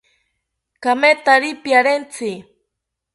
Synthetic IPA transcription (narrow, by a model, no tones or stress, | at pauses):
kamet̪aɾipjaɾent͡si